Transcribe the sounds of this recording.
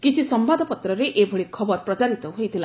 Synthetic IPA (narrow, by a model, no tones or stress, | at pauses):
kit͡ʃʰisɔmbad̪ʱɔpɔt̪ɾɔɾeʔebʱoɭikʰɔbɔɾpɾɔt͡ʃaɾit̪ɔɦojt̪ʰila